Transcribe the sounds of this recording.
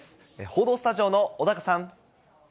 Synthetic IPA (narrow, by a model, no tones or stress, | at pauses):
sɨ̥ | ḛho̞ːd̪o̞ːsɨ̥t̪aʑio̞ːnood̪akasãŋ